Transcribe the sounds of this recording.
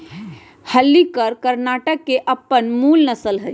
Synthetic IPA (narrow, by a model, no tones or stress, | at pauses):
həlːikəɾkəɾnaʈəkːeʔəpːənmulnəsəlɦəj